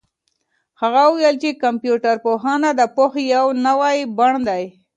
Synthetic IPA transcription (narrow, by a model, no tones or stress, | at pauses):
haɣawʊwjelt͡ʃekampjuʈaɾpoɦɑnad̪əpoxjawnawajbaɳd̪aj